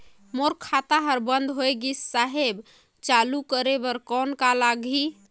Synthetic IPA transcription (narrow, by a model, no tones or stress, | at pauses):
moɾkʰat̪aɦəɾbənd̪ʱɦojɡissaɦeb | t͡ʃalukəɾebəɾkɔnkalaɡi